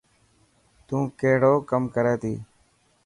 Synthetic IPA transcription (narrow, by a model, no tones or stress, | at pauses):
t̪ũːkeːɽoːkəmkəɾeːt̪iː